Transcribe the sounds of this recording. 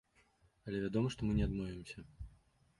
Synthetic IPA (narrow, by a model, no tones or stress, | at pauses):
ɐlʲɛvʲad̪ɔmɐʂt̪ɔmɨnʲɛad̪mɔvʲɪmsʲɐ